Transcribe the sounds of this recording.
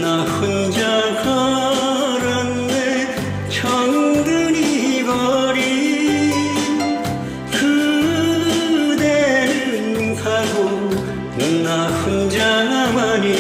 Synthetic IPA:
naɸund͡ʑakʌ | ɾʌnde | t͡ɕʰʌŋud̪ɯɾiibʌɾi | kɯ | d̪eɕɯnkʰaɡo | kɯnaɸund͡ʑaɡamani

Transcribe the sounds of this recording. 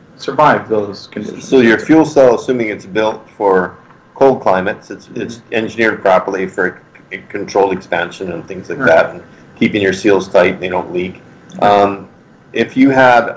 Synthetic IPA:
sə˞vaɪvðoʊz̥kʰnɪ̰ʃsoʊjə˞fjulˠsɛlˠəsʉ̃mɪ̃ŋɨtsbɪlˠtfə˞ | kʰoʊlˠd̚kʰl̥ãɪ̃mɨtsɨtsɪtsɛ̃nd͡ʒɨnɪɹɨpʰɹ̥ɑpə˞lifə˞ɨ | ɨkʰn̩tʰɹ̥oʊlˠɨkspæ̃nʃɨ̃nɨ̃nθɪ̃ŋzlaɪkðæɾn̩ | kʰipɪ̃ŋjə˞silˠz̥tʰaɪtn̩ðeɪɾõʊ̃nʔlik | ʔʌ̃m | ʔɪfjɨəv

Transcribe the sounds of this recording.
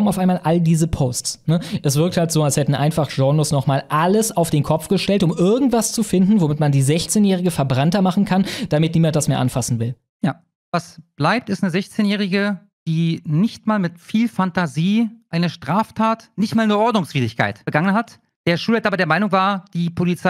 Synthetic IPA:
ɔmnaʊfaɪnmaːlʔaldiːzəpʰoːstsnəʔɛsv̥ɪɐkthaltz̥oːalshɛtn̩ʔaɪnfaχʒ̥ɔnosnɔχmaːlʔaləsaʊfd̥eːnkʰɔp͡fɡ̥əʃtɛltʊmʔɪɐɡŋ̩tv̥ast͡sufɪndn̩vomɪtmandiːzɛçt͡seːnjɛːʁ̞ɪɡəfɛɐbʁantɐmaχn̩kʰand̥amɪtniːmant̚d̥asmeːɐʔanfasn̩vɪl | jaː | vasb̥laɪp̚tɪstnəzɛçt͡seːnjɛːʁ̞ɪɡə | d̥iːnɪçtmaːlmɪtfiːlfantaziːʔaɪnəʃtʁ̥aːftʰaːtnɪçtmaːlnuːɐʔɔɐdnʊŋsv̥iːdɪçkʰa̰ɪtbəɡaŋənɦat | d̥eːɐʃuːlataːbɐdeɐmaɪnʊŋvaːɐd̥iːpʰolit͡sa

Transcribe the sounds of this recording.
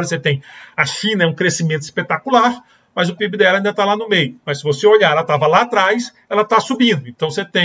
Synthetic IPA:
ɾɐset̪ẽj̃ɐʃĩnɐɛũkɾesimẽnt̪ʊi̥spet̪akulaɾ | mɐzʊpibɪd̪ɛlɐaĩnd̪ɐt̪alanʊmejʊmɐsɪvoseoʎaɛlɐt̪avɐlaːt̪ɾajs | ɛlɐt̪asubĩnd̪ʊẽnt̪ɐ̃w̃set̪ẽ

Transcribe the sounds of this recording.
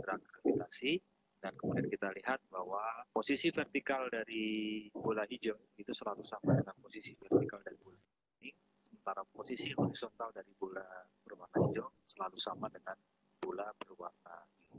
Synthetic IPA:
əɾakɾavit̪asi | dankəmudiankit̪aliɦat̪̚bahwaposisifɛrt̪ikaldaɾibolaɦid͡ʒɔ | it̪usəlalusamadəŋanposisifɛrt̪ikaldaɾibula | ini | səmənt̪aɾaposisiɦoɾisont̪aldaɾibolab̥ərwarnahid͡ʒɔsəlalusamadəŋan | bulabərwarnai

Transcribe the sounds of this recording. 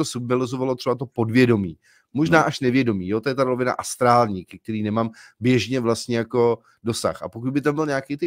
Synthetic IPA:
osubɪlɪzovalot̪r̥ɛbat̪o̞po̞dvjɛdo̞miː | moʒnaːʔaʃnɛvjɛdo̞miːjot̪ojɛt̪aɾovɪna̰ʔast̪ɾaːlɲiːkɛk̚t̪ɛɾiːnɛmaːmbjɛʒɲɛvlast̪ɲɛjako̞ | do̞sa̰xʔa̰pokud̪bɪt̪ambɪlɲaakiːt̪ɪ

